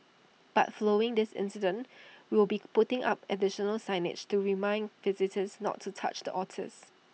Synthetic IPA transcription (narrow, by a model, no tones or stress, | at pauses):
b̥a̰tfloɪ̃ŋdɪsɪ̰̃nsɪdə̃nwiwlbipʊtɪ̃ŋʔa̰pədɪʃənəlsãɪnɪ̰d͡ʒtuɹimãɪ̃nvɪzɪtʰəsnɔ̰tʰːutʰa̰t͡ʃdəʔɔtʰɪ̰s